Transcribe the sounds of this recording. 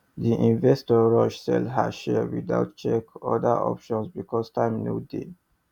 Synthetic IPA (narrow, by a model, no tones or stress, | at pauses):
d̪iʔĩnvɛstɔɹɔʃsɛ̰lha̰ʃɛdwid̪a̰wt̚t͡ʃɛkɔ̰d̪əʔɔ̰pʃɔ̃nsbikʰɔstʰãmnudi